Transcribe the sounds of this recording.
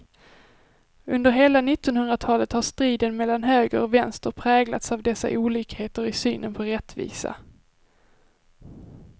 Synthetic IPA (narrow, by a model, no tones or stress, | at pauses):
ɵnd̪əɾɦeːlanɪt̪ːɔnhɵnd̪ɾat̪ʰɑːlət̪haʂt̪ɾiːd̪ənmɛlːanɦøːɡəɾɔvɛnst̪əɾpʰɾɛːɡla̰t̪savd̪ɛsːa̰ʔuːliːkheːt̪əɾɪsyːnənpʰɔɾɛt̪ːvḭːsa̰